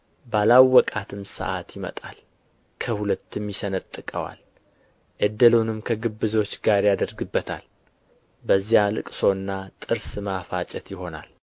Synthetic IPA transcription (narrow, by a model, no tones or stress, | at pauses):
balawːɔkʼat̪ʰɨmsə̰ʔat̪jɪmə̰t̪ʼal | kʰəhulət̪ːɨmjɪsənət̪ʼːɨkʼəwa̰l | ʔəd̪ːəlunɨmkʰəɡɨbːɨzo̞t͡ʃːɡaɾjad̪əɾɡɨbːət̪ʰa̰l | bəzːijalɨ̰kʼso̞ɨnːat̪ʼɨɾsɨmafat͡ʃʼɛt̪jɪho̞na̰l